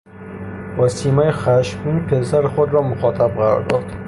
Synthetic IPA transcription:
vasimajχaʃkʊŋpʰelsaɾχʊd̪ɾɒmʊχɒt̪ʰab̚qʰɑɾɒ̰ɾd̪ɒɾd̪

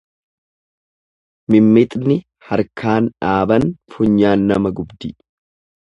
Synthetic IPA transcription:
mɪmːɪt̪ʼnɪ | hɐɾkʰaːnᶑaːbɐnfʊɲːaːnːɐmɐɡʊbd̪ɪ

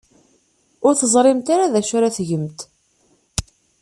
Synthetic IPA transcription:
ʊɾθəzˤɾˤɪmt̪aɾaðæʃʊɾaθʝəmt̪

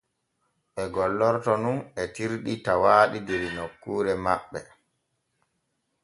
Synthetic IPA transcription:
ʔɛɡɔlːɔɾtɔnunɛtiɾɗitawaːɗideɾinokːuːɾɛmaɓːɛ

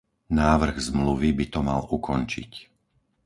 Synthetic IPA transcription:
naːʋr̩ɣzmluʋibit̪ɔma̰lukɔnt͡ʃḭc

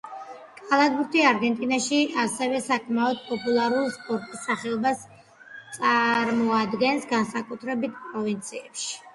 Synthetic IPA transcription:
kʼalˠad̪buɾt̪ʰiaɾɡɛnt̪ʼinaʃiasɛvɛsakʰmaɔd̪̚pʼɔpʼulˠaɾulispʼɔɾt̪ʼisːaχɛɔbas | t̪sʼaɾmɔad̪ɡɛnsɡansakʼut̪ʰɾɛbit̪ʰpʼɾɔvint̪sʰiɛpʃi̥

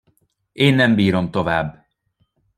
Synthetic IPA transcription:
eːnːɛmbiːɾo̞mt̪o̞vaːbː

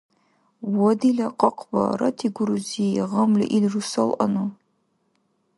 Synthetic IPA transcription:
wɔdilɐqɐqbɐ̰rɐtʰiɡʷʊɾuzijʁɐmlɨ̰ʔidrusɐlʔɐ̰nu

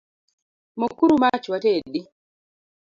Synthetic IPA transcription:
mokuɾumat͡ʃwatedi

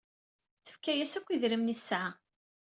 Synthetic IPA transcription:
θə̥fkæjæsækʷːiðɾimnisʕa

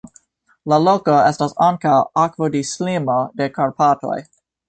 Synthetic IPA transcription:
laloko̞estasaŋkawakvodislimo̞de̞kaɾpato̞̰j

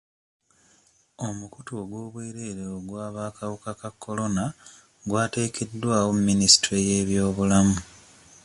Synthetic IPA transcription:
o̞mukutoɡwo̞ːβweːɾeɾeoɡwaːβaːkawukakakːo̞lo̞na | ɡwaːte̞ːkʰedːwaːwommːinisi̥tɾeje̞ːβjo̞ːβulamu

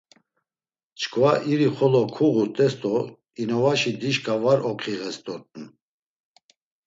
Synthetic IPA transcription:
t͡ʃʰkʰvaʔiɾiχɔlɔkʰuɣut̪ʼɛst̪ʼɔ | inɔvaʃid̪iʃkʰʼavaɾʔɔqʰiɣɛst̪ʼɔt̪ʼn

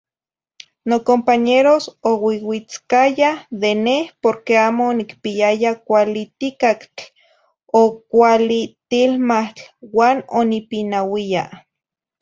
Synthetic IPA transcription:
nokompaɲeɾosowiwit͡skajaðenehpoɾkeaːmoːnikpiajakʷalit̪ikakt͡ɬ | okʷalit̪ilmaht͡ɬwaːnonipinawia

